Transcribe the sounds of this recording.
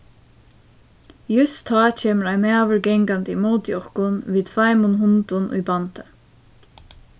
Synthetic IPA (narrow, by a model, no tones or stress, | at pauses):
jʏst̪ʰɑːt͡ʃʰeːməɹaɪmɛːʋəɾɡɛŋkand̪ḭmoːt̪jɔɾkʊnʋiːt̪ʰʋaɪmʊnɦʊnt̪ʊnʔʊ̰jbɑnt̪ə